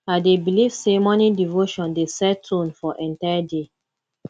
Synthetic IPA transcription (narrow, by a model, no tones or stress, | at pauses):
adebilivsemɔnidivoʃɔ̃ndesɛtʰõnfɔʔɛ̃ntaɪade